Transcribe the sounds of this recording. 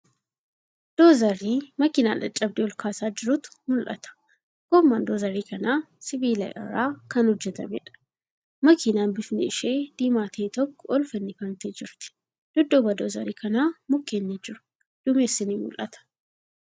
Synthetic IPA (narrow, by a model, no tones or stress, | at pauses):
d̪̥oːzɐɾiːmɐkɪna̰ːlɐ̰t͡ʃʼɐb̚d̪ɪɔlkʰaːsaːd͡ʒɪɾʊt̪ʊ̥mʊlʔɐ̰t̪ɐ̥ | ɡ̥omːaːnd̪oːzɐɾiːkɐnaː | sɪbiːlɐ̰ʔʼɐ̰raːkɐnhɔd͡ʒːɛt̪ɐ̰mɛ̰ᶑɐ̥ | mɐkɪnaːnbɪfnɪɪʃeːd̪̥iːmaːt̪ʰeːt̪ɔkːɔɔlfɛnːɪfɐnt̪eːd͡ʒɪɾt̪ɪ̥ | d̪̥ʊd̪ːobɐd̪oːzɐ̰ɾiːkɐnaːmʊkːeːnːɪd͡ʒɪɾʊ̥ | d̪̥ʊmeːsːɪniːmʊ̰lʔɐt̪ɐ̥